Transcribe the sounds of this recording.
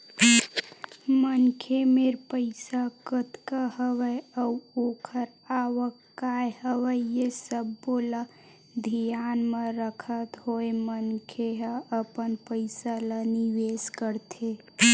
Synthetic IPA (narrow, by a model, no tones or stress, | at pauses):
mənkʰemeɾpəɪsakət̪kəɦəwəəuokʰəɾ | awəkː | aeɦəwəjesəbːolə | d̪ʱijanmeɾəkʰət̪ɦoemənkʰeɦəəpənpəɪsaləniʋeskəɾt̪ʰe